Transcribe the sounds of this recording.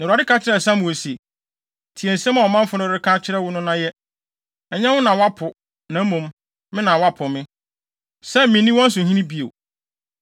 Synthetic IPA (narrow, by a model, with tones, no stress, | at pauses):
na˨a˨dɪ˦kʰa˦t͡ɕʰɪ˦ɾɛ˨s̬ã˦mũ˨o˨se˨ | tʰi˨ɛ˨n̩˨sɛ̃˦mã˨wɔ˨mã˦m̩˦fʊ˨˦nʊ̃˦ɾɪ˦kʰã˦t͡ɕʰɪ˦ɾɛ˦wʊ˦nʊ̃˦nã˦jɛ˦ | ɛ˨ɲɛ̃˦wʊ̃˦nã˨wa˦pʰʊ˨ | nã˨˦mũ˨m | mɪ̃˦nã˨wa˦pʰʊ˨mɪ̃˦ | sɛ˦mɪ̃˨nĩ˦wɔ̃˦n̩˦s̬ʊ̃˨ɦĩ˦nĩ˦bi˦o̰˨